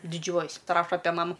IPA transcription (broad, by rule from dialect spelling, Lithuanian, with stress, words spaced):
dʲɪˈd͡ʒʲuɔjɛsʲ pɐˈrɑːʃɐ ˈɑːpʲɛ ˈmɑːmʊ